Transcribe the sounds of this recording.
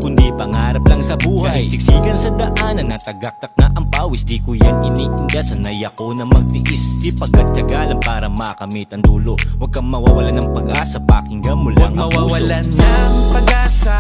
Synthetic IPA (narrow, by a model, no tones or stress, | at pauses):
kʊnd̪ipɐŋaːɾɐp̚lɐŋsɐbuːhɐjsɪɡsiːɡɐnsɐd̪ɐʔaːnɐnːɐt̪ɐɡɐk̚t̪ɐk̚nɐʔɐŋpaːwɪsd̪ikʊjanɪniʔɪnɡ̪asɐnɐjɐkonɐmɐɡ̚t̪iʔisipːɐɡ̚kːɐt̪̚t͡ʃɐɡaːlɐŋpaːɾɐmɐkɐmit̪ɐŋd̪uːlowɐɡ̚kːɐŋmɐwawɐlanɐŋpɐɡʔaːsɐpaːkɪŋɡɐmʊlaŋɐwawɐlanːɐŋpɐɡʔaːsa